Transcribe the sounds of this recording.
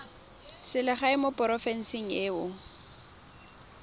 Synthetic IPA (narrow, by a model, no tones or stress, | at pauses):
sɪlɪχaɪmopʼɔrɔfɛn̩siŋ̩eʊ